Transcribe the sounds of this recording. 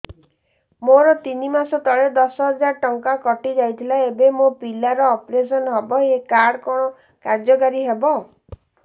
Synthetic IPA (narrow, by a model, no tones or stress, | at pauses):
moɾɔt̪inimasɔt̪ɔɭed̪ɔsɔɦɔd͡ʒaɾʈɔŋkakɔʈid͡ʒajt̪ʰilaebemopilaɾɔːpɾes̬ɔnɦɔbɔɦekaɽɔkɔɽ̃ɔ | kaɾd͡ʒɔkaɾiɦebɔ